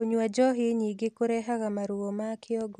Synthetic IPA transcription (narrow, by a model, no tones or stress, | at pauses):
oɲwad͡ʒɔɦiɲiɡekoɾɛɦaɣamaɾuomakʰɪɔɡɔ